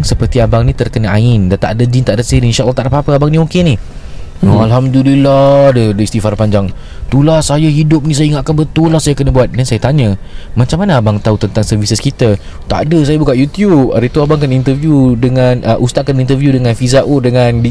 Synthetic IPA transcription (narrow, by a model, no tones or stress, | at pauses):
ŋsəpərt̪iabaŋnĩt̪ərkənaaɪndat̪a̰ʔdəd͡ʒint̪aʔdəseniinʃalːt̪aʔdapapəabaŋnĩokeni | alɦamduliladədəist̪ifaɾpaɲd͡ʒaŋ | t̪ulasajaɦidʊp̚nĩsajaiŋat̪̚kanbət̪ʊlːasajakənəbuat̪̚dansajat̪aɲəmat͡ʃaŋmanaabaŋt̪aut̪ənt̪aŋsərvisəskit̪ə | t̪a̰ʔdəsajabukaʔjut̪jup̚aɾət̪uabaŋkanint̪ərvijudəŋanəʔust̪aʔ̚kanint̪ərvjudəŋanfizaʔodəŋand